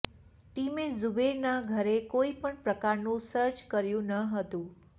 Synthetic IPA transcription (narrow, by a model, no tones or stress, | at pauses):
ʈimezubeɾnaɡʱəɾekoipəɳpɾəkaɾnũsəɾt͡ʃkəɾjũnəɦət̪ũ